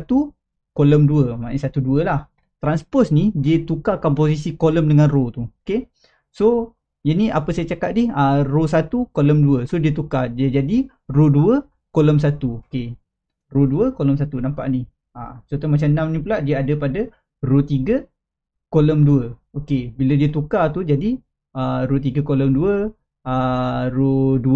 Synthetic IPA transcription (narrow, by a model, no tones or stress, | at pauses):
at̪u | koləmduəmanisat̪uduəlah | t̪ɾanspɔsnidiət̪ukakanp̬os̬isikoləmdəŋanrot̪uoke | so | janiʔapəsajət͡ʃaka̰ʔ̪̚diharosat̪ukoləmduəsodiət̪ukadiəd͡ʒadi | roduə | koləms̬at̪uoke | roduəkoləms̬at̪unampa̰ʔnih | a̰sot̪umat͡ʃamnamnĩpulaʔdiəadəpadə | rot̪iɡə | koləmduəokebilədiət̪ukat̪ud͡ʒadi | əɾot̪̬iɡəkoləmduə | ərodu